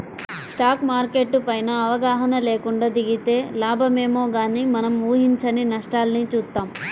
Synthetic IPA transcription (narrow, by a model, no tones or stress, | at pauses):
ʂʈaːkmaːɾke̞ʈːupɐjnɐːʋɐɡaːɦɐnɐle̞ːkuɳɖad̪iɡit̪e̞ːlaːbʱɐme̞ːmoːɡaːnimɐnɐmuːɦiɲt͡ʃɐninɐʂʈaːlnit͡ʃuːt̪ːaːm